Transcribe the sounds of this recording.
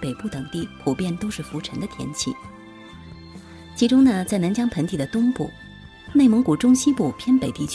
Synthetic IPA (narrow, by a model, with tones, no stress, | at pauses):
pe˨˩ɪpu˥˩t̪ɤ˨˩ŋt̪i˥˩pʰu˨˩pjɛ˥˩nt̪o˥ʊʂɻ̩˥˩fu˧˥ʈ͡ʂʰɤ˧˥ŋd̪ə˧t̪ʰjɛ̰˧˥nt͡ɕʰḭ˥˩ | t͡ɕʰi˧˥ʈ͡ʂʊ˥ŋnə˨t͡sa˥˩ɪna˧˥nt͡ɕjɑ˥ŋpʰə˧˥nt̪i˥˩d̪ə˩t̪ʊ˥ŋpṵ˥˩ | ne˥˩ɪmɤ˧˥ŋku˨˩ʈ͡ʂʊ˥ŋɕi˥pu˥˩pʰjɛ˥npe˨˩ɪt̪i˥˩t͡ɕʰ